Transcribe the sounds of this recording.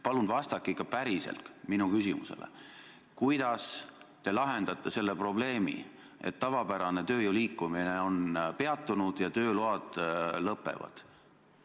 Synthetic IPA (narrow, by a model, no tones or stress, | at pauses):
pɑlunvɑst̪ɑkːˑiikːˑɑpæɾise̞̰lt̪minukysimṵsḛlḛ | kujd̪ɑst̪e̞lɑɦe̞nd̪ɑt̪ˑːese̞lːe̞pro̞ble̞ːmḭ | e̞t̪ːɑvɑpæɾɑne̞t̪ø̞ːjuliːkːˑumineo̞npe̞ɑt̪ːˑunud̪̥jɑt̪ø̞ːloɑd̪̥lɤpːe̞̰vɑ̰d̪̥